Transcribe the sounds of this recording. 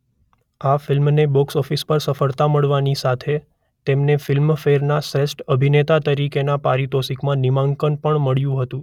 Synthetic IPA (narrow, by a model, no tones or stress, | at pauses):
afɪlmnebɔksɔfispəɾsəfəɭt̪aməɭʋanisat̪ʰe | t̪emnefɪlmfeɾnasɾesʈəbʱinet̪at̪əɾikenapaɾit̪ɔsikmãnimãŋkəɳpəɳməɭjũɦət̪ũ